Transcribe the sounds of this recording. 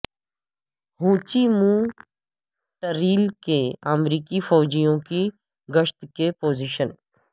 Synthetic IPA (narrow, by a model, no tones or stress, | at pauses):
ɦũːt͡ʃimũ | ʈəɾiːlkeəmɾiːkifɔːd͡ʒijõki | ɡəʃt̪kepoːziʃən